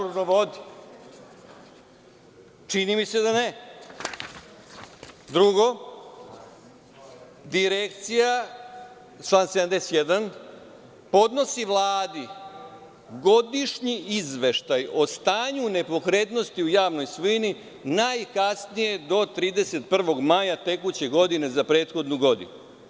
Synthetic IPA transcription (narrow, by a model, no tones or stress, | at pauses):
onoʋod̪i | t͡ʃinimise̞d̪ane | d̪ɾuɡo̞ | d̪iɾekt̪sija | t͡ʃlˠaːnsed̪amd̪ese̥t̪jed̪an | po̞d̪no̞siʋlˠaːd̪i | ɡo̞d̪iʂɲiizʋe̞ʃt̪ajo̞st̪aːɲune̞po̞kɾet̪no̞st̪iujaːʋno̞jsʋini | najkasnije̞d̪o̞t̪ɾiːd̪e̞se̞t̪pr̩ʋo̞ɡmajat̪e̞kut͡ɕe̞ɡo̞d̪ine̞zapɾe̞ːt̪xo̞d̪nuɡo̞d̪ḭnu